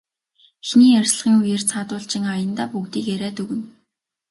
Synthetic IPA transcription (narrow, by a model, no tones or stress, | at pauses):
xniːærʲsɮə̆ʁiːŋujer̥t͡sʰaːt̪ʊːɬt͡ɕɪ̆ŋajə̆nt̪aːpukt̪iːkeɾæːt̪ɵɣɘ̆n